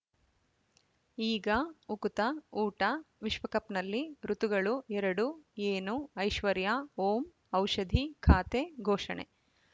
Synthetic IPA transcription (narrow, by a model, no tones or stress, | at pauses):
iːɡɐukut̪ɐuːʈɐʋiʃʋɐkɐpnɐlːiɾut̪uɡɐɭuɛɾɐɽueːnuɐjʃʋɐɾjaːoːm | ɐwʃɐd̪ʱikʰaːt̪eɡʱoːʂɐ̰ɳḛ